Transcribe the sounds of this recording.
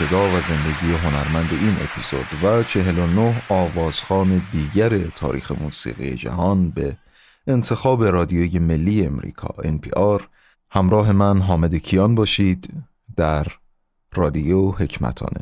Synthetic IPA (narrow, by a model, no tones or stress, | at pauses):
ed̪ɒːvæze̞nd̪e̞ɟiːjeɦo̞næɾmænd̪e̞iːne̞̰pʰiz̥o̞̰d̪̥væt͡ʃʰe̞ɦe̞lonohɒːvɒːz̥xɒːne̞d̪iːɟæɾe̞t̪ʰɒ̰ːɾḭːxe̞muːsḭːɣḭje̞̰d͡ʒæ̰hɒːnbe̞ | ent̪ʰe̞xɒːbe̞ɾɒːd̪ijoːje̞me̞lːiːeemɾḭːkʰɒ̰ːḛnpʰḭʔɒːɾ | hæmɾɒːɦe̞mænɦɒːme̞d̪ecʰijɒːnbɒːʃiːd̪ | d̪æɾ | rɒd̪ijohe̞cʰmæ̰t̪ʰɒ̰ːnʔḛ